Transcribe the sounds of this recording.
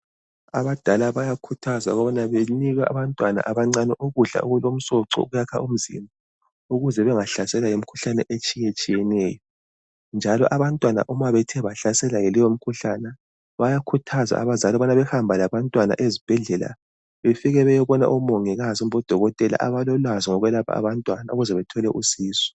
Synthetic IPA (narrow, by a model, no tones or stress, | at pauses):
aβad̥ʱalaβajakʰutʰaza̰ɣɔβanaβeniɣaʔaβantʼwana̰ʔaβaŋ͡ǀanɛʔuɣuɬa̰uɣulom̩sɔǀɔ̰ṵɣujakʰaum̩zḭmba | uɣuzɛβɛŋaɬasɛlajem̩kʰu̥ɬanɛʔet͡ʃʼijet͡ʃʼijɛnɛjɔ | nd͡ʒʱalɔ̰ʔaβantʼwana̰ʔumaβɛtʰɛβaɬasɛlajelijom̩kʰuɬanɛ | βajakʰutʰaza̰a̰βazalɔβanaβɛxambʱalaβantʼwana̰ʔezib̥ʱɛɮɛla̰ | βefiɣɛβɛjɛβɔna̰ʔɔmoŋɛɣazɔm̩βɔd̥ʱɔɣɔtʼɛla̰ʔa̰βalɔlwazɔŋɔɣwɛlapʰa̰a̰βantʼwanauɣuzɛβɛtʰɔlɛʔusiːsɔ̥